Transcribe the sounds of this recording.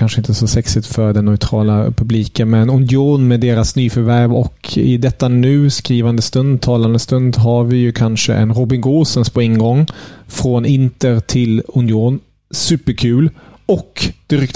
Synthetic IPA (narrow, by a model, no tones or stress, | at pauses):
kʰanʂəɪnt̪əsɔsɛksɪt̪fœɾɖɛnːœʏt̪ʰɾɑːlapʰɵbliːkənmɛnʊnjuːnmeːd̪eːɾasnyːfœɾvæɾvɔkʰɪ̰d̪ɛt̪ːanʉ̟ːskɾiːvand̪əst̪ɵnd̪̚t̪ʰːɑːland̪əst̪ɵnd̪ɦaɾvɪjɵkʰanʂə̰ʔɛ̰nɾʊbɪŋɡoːsənspʰɔɪŋɡɔŋːfɾonɪnt̪əɾt̪ʰɪlʊnjuːn | sʉ̟ːpəɾkʰʉ̟ːlɔkd̪̥ɪɾʏkt̪